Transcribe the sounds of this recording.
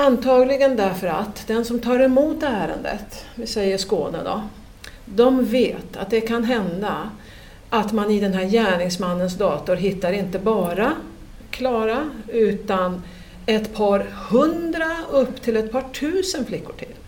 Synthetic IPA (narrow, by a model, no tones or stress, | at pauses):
ant̪ʰɑːɡlɪɡənd̪æɾfœɾa̰t̪d̪ɛnsɔmt̪ʰɑːɾɛmuːt̪æːɾə̰nd̪ə̰t̪vɪsɛjːəʂko̰ːnə̰d̪ɔ̰ | d̪ɔmveːt̪a̰t̪̚d̪ɛkʰanɦɛnd̪a | ʔat̪manɪd̪ɛnɦæːɾjæːɳɪŋsmanːəns̬d̪ɑːt̪ʊɾɦɪt̪ːaɾɪnt̪əbɑːɾa | kʰlɑːɾaʉ̟ːt̪an | ɛt̪pʰɑːɾhɵnd̪ɾaɵpːt̪ʰɪlɛt̪̚pʰɑːʈʰʉ̟ːsənflɪkːʊʈʰɪl